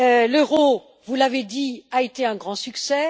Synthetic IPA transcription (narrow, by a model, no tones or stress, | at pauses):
øləʁo | vulaved̪iaet̪eɛ̃ɡʁɑ̃syksɛ